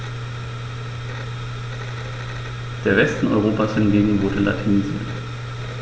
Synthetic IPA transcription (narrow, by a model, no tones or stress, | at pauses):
d̥eːɐvɛstn̩ɔ̰ʏʁoːpashɪnɡeːɡŋ̩vʊɐdəla̰tʰinizḭ